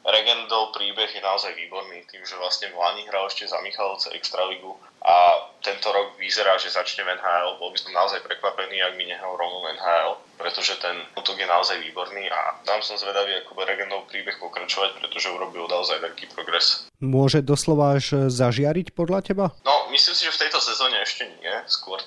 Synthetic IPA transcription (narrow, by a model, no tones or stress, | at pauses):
ɾɛɡɛnd̪ɔʊpɾiːbɛɣjɛnaɔzajʋiːbɔɾniːt̪iːmʒɛʋlasɲɛvlaɲiɦɾalɛʃcɛza̰miːxalut͡sɛʔɛ̰kst̪ɾaliɡu | ʔat̪ɛnt̪ɔɾɔɡʋizɛɾaːʒɛzat͡ʃɲɛvɛnɦaːɛlbɔlbisɔmnaɔzajpɾɛkʋapɛniːaɡ̚miɲɛɦɾalˠɾɔmɔnɛnɦaːɛlpɾɛt̪ɔʒɛt̪ɛnut̪ɔɡjɛnaɔzajʋiːbɔɾniːʔa̰t̪amsɔmzʋɛd̪aʋiakɔbɛɾɛɡɛnɔʊpɾiːbɛxpɔkɾat͡ʃɔʋacpɾɛt̪ɔʒɛuɾɔbilɔd̪aɔzajʋɛʎkiːpɾɔɡɾɛsmʊɔʒɛd̪ɔslɔʋaːʒzaʒɪaɾicpɔd̪lacɛbanɔmislimsiʒɛft̪ɛjt̪ɔsɛzɔːɲɛɛʃcɛɲɪɛskʊɔɾ